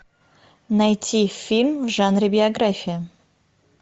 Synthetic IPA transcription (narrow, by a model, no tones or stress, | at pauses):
najtʲʰifʲilʲmvʐanɾʲibʲɪɐɡrafʲijə